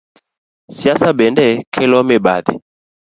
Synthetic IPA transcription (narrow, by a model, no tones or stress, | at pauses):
siasabɛndɛkʰɛlɔmɛbaðɛ̰